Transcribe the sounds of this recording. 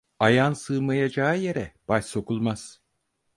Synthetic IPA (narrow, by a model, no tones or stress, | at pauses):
ajansɯːmajad͡ʒaːjeɾɛb̥aʃso̞kʰulˠmaz̥